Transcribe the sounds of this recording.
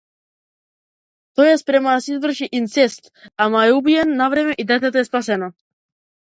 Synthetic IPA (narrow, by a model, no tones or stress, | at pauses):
t̪ɔjɛspɾɛmaasizvr̩ʃiʔint̪sɛst̪amaɛubijɛnːavɾɛmɛʔid̪ɛt̪̬ɛt̪oɛspas̬ɛna